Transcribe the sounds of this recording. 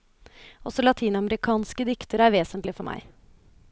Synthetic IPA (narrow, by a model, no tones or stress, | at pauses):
ɔsɔlɑt̪ʰiːnɑməɾɪkʰɑːnskəd̪ʏkt̪əɾæɾʋeːsənt̪lɪfɔɾmæ̰ɪ